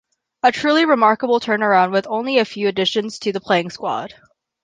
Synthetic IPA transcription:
ɨtʰɹ̥ʉlˠiɹɨmɑɹkəbl̩ˠtʰɜ̃˞nə˞ãʊ̃ndwɨðõʊ̃nliɨfjʉɨdɪʃɨ̃nz̥tʰɨðəpʰl̥eɪɪ̃ŋskwɑ̰d̥

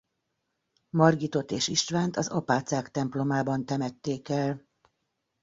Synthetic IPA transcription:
mɒrɡit̪o̞t̪eːʃiʃt̪ʋaːnt̪ɒzɒpaːt̪saːkt̪ɛmplo̞maːbɒnt̪ɛmɛt̪ːeːkɛl

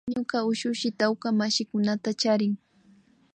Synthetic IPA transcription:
ɲokaʊʃʊʃɪt̪awkamaʃɪkʊnat̪at͡ʃaɾɪŋ

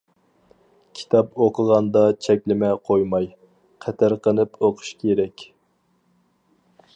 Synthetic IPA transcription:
kʲʰi̥t̪ʰɑpoqʰəʁɑnd̪ɑt͡ʃʰɛkʲlɪmɛqʰojmɑj | qʰɛt̪ʰæɾqənɨpoqʰʊ̥ʃkʲʰeɾɛkʲ

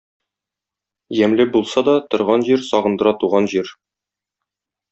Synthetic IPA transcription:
jæmlɘbulˠsɑd̪ɒt̪ŏɾʁɑnʑiɾsɒʁɤ̆nd̪ɤ̆ɾɑt̪uʁɑnʑiɾ

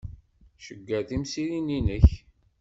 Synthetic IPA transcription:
ʃəɡːæθimsiɾininəç

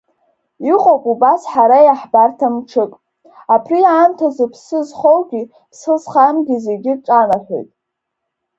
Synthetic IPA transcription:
iqʼopʼubasħaɾajaħbartʰamʈ͡ʂʰɨkʼ | apʰriaːmtʰazɨpʰsɨzχowɡʲi | pʰsɨzχamɡʲize̞ɡʲɪʈ͡ʂʼanaħʲʷᶣo̰jtʼ

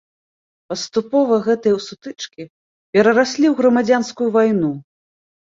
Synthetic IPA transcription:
pɐst̪upɔvɐɣɛt̪ɐjɐwsut̪ɨt͡ʂkʲi | pʲɛɾɐɾasʲlʲiwɣɾɐmad͡zʲanskujuvajnu

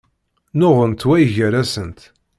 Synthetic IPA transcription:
nʊʁənt̪wæjʝəɾæsənt̪

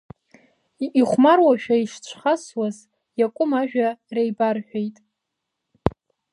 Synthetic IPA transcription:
iχʷmarwaʃᶣaiʂt͡ɕʷʰχaswaz | jakʷʼʊmaʒᶣarejbarħʷᶣejtʼ

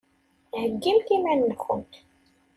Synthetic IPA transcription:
həɡːilk̪imænːəxə̰nt̪

